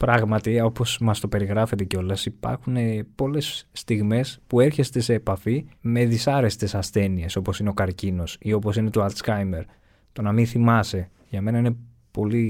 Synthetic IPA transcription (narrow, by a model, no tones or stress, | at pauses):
pɾɐɣmɐt̪io̞po̞smɐst̪o̞pe̞ɾiɣɾɐfe̞t̪e̞ceo̞lɐsipɐ̰ɾxune̞po̞le̞sːt̪iɣme̞spue̞ɾçe̞st̪e̞se̞ːpɐfime̞ðisɐɾe̞st̪e̞sɐsθe̞nie̞so̞po̞sineo̞kɐɾcino̞sio̞po̞sine̞t̪o̞ɐlt̪skɐjme̞ɾ | t̪o̞nɐminθimɐse̞ | ʝɐme̞nɐine̞ | po̞li